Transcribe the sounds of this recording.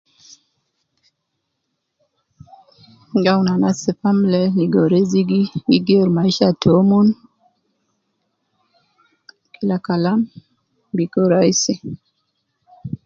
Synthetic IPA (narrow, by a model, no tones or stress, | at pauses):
ɡawnanasɪfamlɛliɡoɾeziɡiwiɡeɾmaiʃatʰomun | kʰilakalam | bikoɾaisɪ